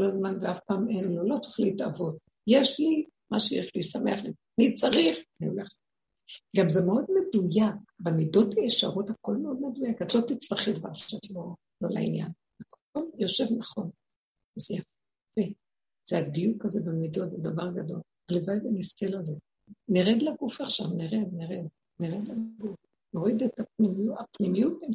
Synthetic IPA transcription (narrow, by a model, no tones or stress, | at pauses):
kolazmanveafpaːmenlolo̞t͡sʁi̥χliitavo̞t | jeʃli | maʃejḛʃlisame̞aχli | nit͡saʁiχanioleχ | ɡamzemeo̞dme̞dujakbemido̞tajeʃa̰ʁothako̞lmeo̞d̪me̞d̪ujakat̪lot̪it͡slaχid̪va̰ʁ̥ʃatlo̞ | lo̰la̰ḭnja̰n | ak | omjo̞ʃe̞vnaχo̞n | ezejaf | e | z̥eadijukazebemido̞t̪zed̪avaʁɡado̞l | levajbaniskelaze | neʁed̪laɡufaχʃavneʁed̪neʁed̪ | neʁed̪laɡuf | no̞ʁid̪et̪ap̚nimiuapnimijut̚e